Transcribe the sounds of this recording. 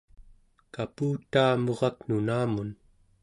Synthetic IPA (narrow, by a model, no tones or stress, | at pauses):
kapuːt̪aːmo̞ʁɑknunaːmun